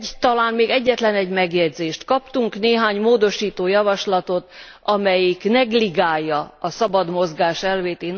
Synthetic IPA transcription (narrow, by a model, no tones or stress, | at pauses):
t̪ɒlaːnmeːɡɛɟːɛt̪lɛnɛɟmɛɡjɛɟzeːʃt̪kɒpt̪uŋkneːɦaːɲmoːd̪o̞ʃiːt̪oːjɒvɒʃlɒt̪o̞t̪ | ɒmɛjiknɛɡliɡaːjːɒɒsɒbɒd̪mo̞zɡaːʃɛlveːt̪eːn